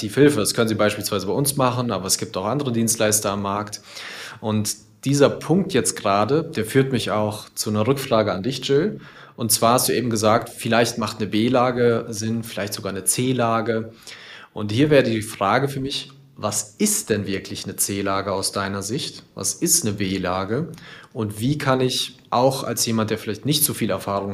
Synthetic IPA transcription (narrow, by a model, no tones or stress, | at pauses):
tiːfhɪlfədaskʰœnənziːbaɪʃpiːlsv̥aɪzəbaɪʔʊnsmaχən̩ʔa̰ːbɐɛsɡ̥iːp̚taʊxʔandəʁədiːnstlaɪstɐamːaɐkt | ʔʊnt | d̥iːzɐpʰʊŋk̚tjɛt͡st̚ɡ̥əʁaːdəd̥eːɐfyːɐtmɪçaʊxt͡sunɐʁʏkfʁ̥aːɡəandɪçt͡ʃɪl | ʔʊntt͡sv̥aːɐhastd̥uːeːbm̩ɡəzaːk̚tfɪlaɪçtmaχtnəbeːlaːɡəzɪnfɪlaɪçtz̥oɡaːɐnət͡seːlaːɡə | ʔʊnthiːɐvɛːʁədiːfʁ̥aːɡəfyːɐmɪç | vasɪstd̥ɛnvɪɐklɪçnət͡seːlaːɡəaʊsd̥aɪnɐzɪçtva̰sɪstnəbeːlaːɡəʔʊntv̥iːkʰanɪçʔaʊxa̰lsjeːmant̚d̥eːɐfɪlaɪçtnɪçtt͡sufiːlɛɐfaːʁ̞ʊŋ